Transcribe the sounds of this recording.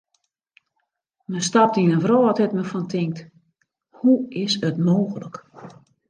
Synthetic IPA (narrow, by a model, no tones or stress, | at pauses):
mənstap̚tinənvroːɔtɛtməfɔntʰɪŋk̚t | huɪsətmoːxələk